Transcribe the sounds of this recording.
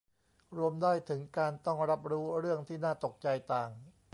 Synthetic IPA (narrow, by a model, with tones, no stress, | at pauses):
ɾu˧əmdaː˥˩jt̪ʰɯ˩˦ŋkaː˧nt̪ɔ˥˩ŋɾa˦˥p̚ɾuː˦˥ɾɯ˥˩əŋt̪ʰiː˥˩naː˥˩t̪o˨˩k̚t͡ɕa˧jt̪aː˨˩ŋ